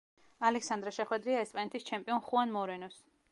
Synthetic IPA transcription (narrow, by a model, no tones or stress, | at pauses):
alɛksand̪ɾɛʃɛχwɛd̪ɾiaɛspʼanɛt̪ʰist͡ʃʰɛmpʼiɔnχuanmɔɾɛnɔs